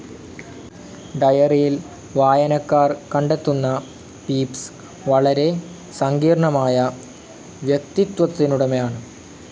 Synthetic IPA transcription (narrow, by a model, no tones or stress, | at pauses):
ɖɐjɐrijil | ʋaːjɐnɐkːaːrkɐɳɖe̞t̪ːunːɐ | piːps | ʋɐɭɐɾe̞ | sɐŋɡiːɾɐɳɐmaːjɐ | ʋjek̚t̪it̪wɐt̪ːinuɽɐmejaːɳɨ